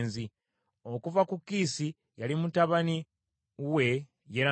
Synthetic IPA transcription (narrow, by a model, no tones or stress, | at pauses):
nzi | o̞kuvakukːiːsi | jalimutaβani | we̞ | jeɾa